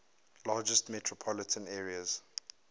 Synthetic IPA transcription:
laːd͡ʒəstmɛtʰɹɔpʰɔlɪtʰə̃nɛːɹiəz̥

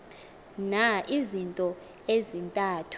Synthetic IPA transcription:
naʔizintʼɔ | ezintʼaːtʰu̥

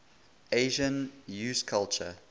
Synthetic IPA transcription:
eɪʒə̃njuːskʰalˠt͡ʃə̰

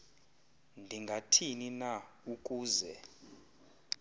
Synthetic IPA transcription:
ndʱiŋɡʱatʰinina | ukʼuːzɛ

